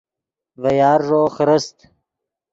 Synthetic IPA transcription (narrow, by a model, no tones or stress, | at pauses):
vɐjɑːɾʐoːxɾəst̪